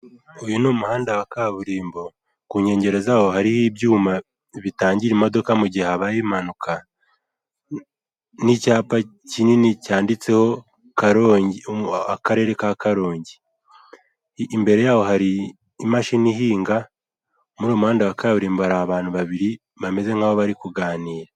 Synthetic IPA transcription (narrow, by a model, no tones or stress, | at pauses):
ujunomuhaːndawakaːβuɾiːmbo̞ | kuːɲe̞ːɲɟe̞ɾe̞zahohaɾihibjuːma | βitaːɲɟiɾimo̞do̞kamuɟihhaβajimanuka | nicaːpa | cininicaːndit͡se̞ho̞ | kaɾo | akaɾe̞ːɾe̞kakaɾo̞ːɲɟi | mbe̞ɾe̞jaːho̞ɦaɾiː | maʃinihiːŋɡa | muɾoːmuhaːndiβakaβuɾiːmbhaɾaaβaːn̥huβaβiɾi | βame̞ze̞ŋaːβoβaɾikuɡaːniːɾa